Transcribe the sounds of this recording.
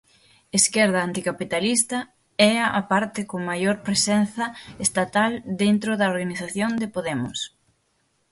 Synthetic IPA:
eskɛɾð̞ɐːnt̪ikapit̪alist̪ɐ | ɛɐapaɾt̪ɪkoŋmajoɾpɾesɛn̟θɐest̪at̪ald̪ent̪ɾoðɐoɾɣaniθaθjond̪epoðɛmʊ̰s

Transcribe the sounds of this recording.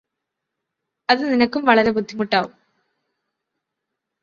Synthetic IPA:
ɐðɨninɐkːumʋɐɭɐɾe̞bud̪ʱːimuʈːaːʋum

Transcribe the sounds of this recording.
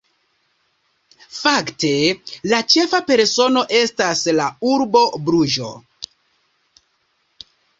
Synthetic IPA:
fakte̞lat͡ʃe̞fape̞ɾso̞no̞ʔe̞staslauɾbo̞bɾuʒo̞̰

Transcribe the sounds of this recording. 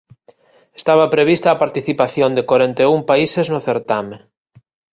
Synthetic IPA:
est̪aβ̞apɾeβist̪aːpaɾt̪iθipaθjond̪ekwaɾent̪eumpaiseznʊθeɾt̪ame

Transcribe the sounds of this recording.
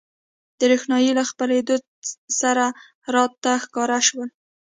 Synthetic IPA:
d̪̥əɾexnɑjilaxpəled̪o | saɾa | ɾɑt̪ːaxkɑɾaʃwəl

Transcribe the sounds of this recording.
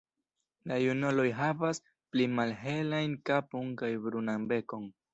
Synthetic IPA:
lajunolo̞jɦavas | plimalɦe̞lajnkaponkajbɾunambe̞ko̞n

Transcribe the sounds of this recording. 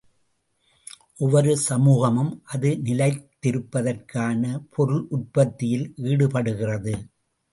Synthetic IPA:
ʔɔʋɐɾɯsɐmuːɣɐmɯmʔɐðɯnɪlɐɪt̪ːɪɾɯpːɐðɐrkʰaːnɐpʰɔɾɯlʔʊʈ̚pɐt̪ːɪjɪlʋiːɽɯpɐɽɯɣɪrɐðɯ

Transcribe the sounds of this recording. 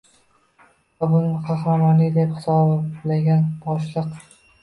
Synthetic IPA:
abʊnɪqʰɑχɾamanɪd̪ephɪ̥sɒblaɡʲanbɒʃlˠɨq

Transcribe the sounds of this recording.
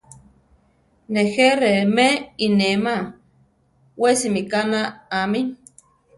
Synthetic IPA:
neheɾemeinema | wesimikanaːmi

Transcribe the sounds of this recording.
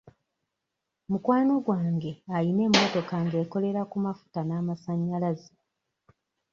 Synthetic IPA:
mukwaːno̞ɡwaːŋɡe̞ajine̞ːmːo̞to̞kaŋɡe̞ːko̞le̞ɾakumafu̥tanaːmasaɲːalazi

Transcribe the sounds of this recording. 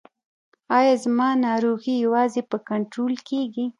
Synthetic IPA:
ɑjɑzmɑnɑɾoɣijawɑzepəkaɳʈɾolkeɡi

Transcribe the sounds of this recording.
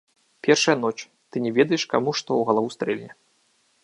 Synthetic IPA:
pʲɛrʂɐjɐn̪ɔt͡ʂ | t̪ɨnʲɛvʲɛd̪ɐjɛʂkamuʂt̪ɔwɣɐlˠavust̪ɾɛlʲnʲɛ

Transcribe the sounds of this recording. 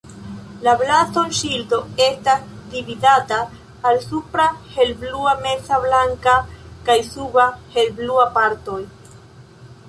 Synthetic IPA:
lablastonʃildo̞e̞stasdividataː | lsupɾahe̞lbluame̞sablaŋkakajsubahe̞lbluapaɾto̞j

